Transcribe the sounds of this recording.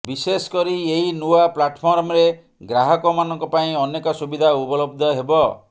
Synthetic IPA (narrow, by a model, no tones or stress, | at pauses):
bisesɔ̥kɔɾieɦinuaplaʈpʰɔɾmɾe | ɡɾaɦɔkɔmanɔŋkɔpaĩɔnekɔsubid̪ʱaubɔlɔb̚d̪ʱɔɦebɔ